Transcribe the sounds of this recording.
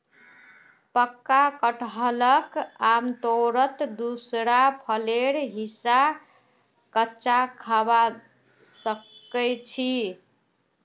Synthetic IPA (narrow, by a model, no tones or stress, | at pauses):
pəkːakəʈɦələkamt̪oɾət̪d̪usɾapʰəleɾɦisa | kətːt͡ʃakʰaba | səkəjt͡ʃʰi